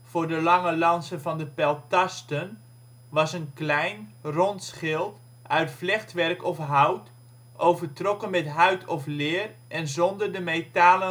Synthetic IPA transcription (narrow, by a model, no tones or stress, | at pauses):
v̥ʊːɹdəlɑŋəlɑnsəvɑndəpɛlˠtɑstən | ʋɑsənklɛjnrɔntsχɪlˠt | ʔœɥtflɛχtʋɛrkɔfɦawt | ʔowvərtrɔkənmɛtɦœɥtʰɔflɪːr | ʔɛnzɔndərdəmejtaːlə